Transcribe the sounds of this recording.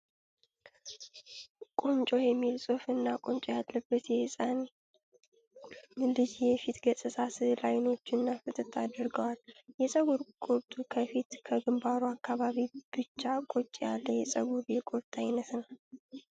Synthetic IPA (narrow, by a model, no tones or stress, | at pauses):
kʼont͡ʃʼo̞jɛmːilsʼofɨnːakʼont͡ʃʼojalːəbːət̪jɛɨsʼan | lɨd͡ʒjɛfit̪ɡəsʼɨsʰaslajno̞t͡ʃːɪnːafɨt̪ʼɨt̪ʰːad̪ɨɾɡəwaljɛsʼəɡuɾkʼuɾt̪ʼukʰəfit̪kʰəɡɨmbaɾuakːaβaβib̥ɨt͡ʃːakʼot͡ʃʼːjalːəjɛsʼə̰ɡuɾjɛkʼʊɾt̪ʼajnət̪nəw